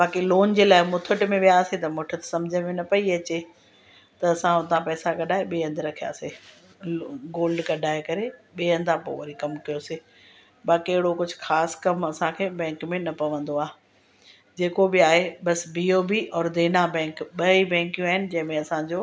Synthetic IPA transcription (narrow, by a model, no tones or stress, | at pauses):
baːkiloːnd͡ʑeːlaːɪmʊt̪ʰʊʈmẽʋijaːset̪ɐmʊʈʰət̪sɐ̃md͡ʑʱəmẽnɐpɐiɐt͡ɕe | t̪ɐɐsãɦʊt̪ãpɛːsaɡɐɗaːeɓiɦɐ̃nd̪ʱɪɾɐkʰija̰ːse | ɡoːlɖɡɐɗʱaːekɐɾeɓiɐ̃nd̪ãpo̰ːʋɐɾikɐmkijoːseː | baːkiɐɦɪɽokʊd͡ʑʱʊxaːskɐmɐsãkʰeːbɛ̃ːŋkmẽnɐpɐʋə̃nd̪oaːɦe | d͡ʑeːkobɪaːɦeɓɐsbioːbiʔɔːɾd̪eːnabɛ̃ːŋkɓɐibɛ̃ːŋkijũaːɦɪnɪ̆d͡ʑɐ̃ɦɪ̃mẽɐsãɲd͡ʑoː